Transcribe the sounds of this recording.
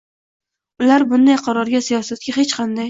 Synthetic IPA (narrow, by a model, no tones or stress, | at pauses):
ʊlaɾbʊnd̪ajqʰɑɾɒɾɡʲasijɒsat̪̚kʲaɦet͡ʃqʰɑnd̪aj